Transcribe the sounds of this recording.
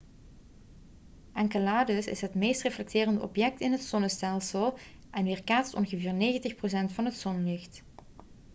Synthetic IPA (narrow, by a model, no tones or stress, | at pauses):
ʔɛŋkəlaːdəsɪ̰sɦətmejstreflɛk̚tɪːrəndəʔɔ̰pjɛk̚tɪnɦətsɔnəstɛlˠsəlˠ | ʔɛnʋɪːrkaːtstɔ̰nɣəvɪːrneːɣəntɪxpros̬ɛntfɑnɦətsɔnlɪxt